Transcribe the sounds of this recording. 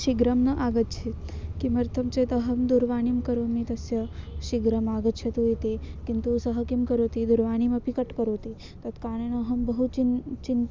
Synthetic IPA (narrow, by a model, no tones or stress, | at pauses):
ʃiɡɾɐmnɐʔaːɡət̪t͡ʃʰet̪kimɐɾt̪ʰɐmt͡ʃet̪ɐɦɐmd̪uɾʋaːɳimkɐɾoːmit̪ɐsjɐʃiɡɾɐmaːɡət̪ːt͡ʃʰɐt̪uet̪ekint̪usɐɦɐkimkɐɾoːt̪id̪uɾʋaːñimɐpikɐʈkɐɾoːt̪i | t̪ɐt̪kaːñenɐɦɐmbɐɦut͡ʃit͡ʃin